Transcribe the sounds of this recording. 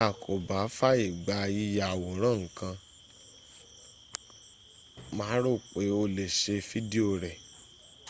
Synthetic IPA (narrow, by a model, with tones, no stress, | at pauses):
a˨kʰo˨ba˨˦fa˦i˦˨ɡ͡ba˧˦i˧ja˧a˨wo˨˦ɾ̃ã˦˨ŋ̩˨kã˧ | mã˨˦ɾo˦˨k͡pe˨˦o˧le˨ʃe˧fi˦di˦o˦˨ɾɛ˨